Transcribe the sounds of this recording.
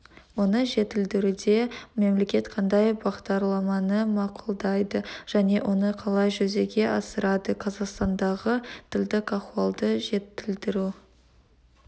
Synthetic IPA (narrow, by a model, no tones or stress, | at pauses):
wo̞nəʒe̞t̪ɪld̪ɪɾud̪e̞me̞mle̞kʲe̞t̪qʰɑnd̪ɑjbɑʁd̪ɑɾlˠɑmɑnəmɑqulˠd̪ɑjd̪əʒ̥æne̞wʔo̞nəqʰɑlˠɑjʒɵze̞ɡʲe̞ʔɑsəɾɑd̪əqʰɑzɑqst̪ɑnd̪ɑʁət̪ʰɪld̪ɪkɑqwuɑlˠd̪əʒe̞t̪ːɪld̪ɪɾu